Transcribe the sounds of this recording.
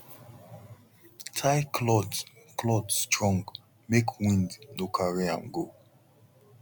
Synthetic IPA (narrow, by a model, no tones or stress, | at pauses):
tʰaɪkʰlɔd | klɔdstʰɹɔ̃ŋɡ | mekʰwĩndnokʰaɹiã̰nɡo